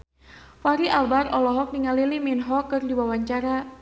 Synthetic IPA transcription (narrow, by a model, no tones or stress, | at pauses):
faɾiʔalbarɔlɔɦɔk̚niŋaliliminɦɔkɨrdiwawaɲt͡ʃaɾa